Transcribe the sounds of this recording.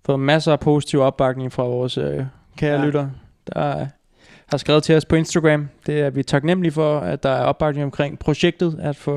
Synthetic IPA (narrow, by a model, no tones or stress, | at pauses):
fɔ̽ːð̩ˠmæsɐːpʰo̝si̥t͡sʰiʊ̰ɒ̽b̥ːɑ̈ɡ̥ne̝ŋfʁɑ̈ʋɒːsø | kʰeːɐlyɾɐ | d̥ɑ | hɑ̈sɡ̥ʁɛːð̞̩ˠt͡sʰe̝lɒspʰɒ̽e̝nsd̥aɡ̥ʁæmd̥e̝æɐʋit͡sʰɑ̈ɡ̥nem̰əlifɒ̽æd̥ɑ̈æɐɒ̽b̥ɑ̈ɡ̥neŋɒmkʰʁeŋ̰pʰʁo̝ɕeɡ̥̚d̥ð̞̩ˠæd̥fɔ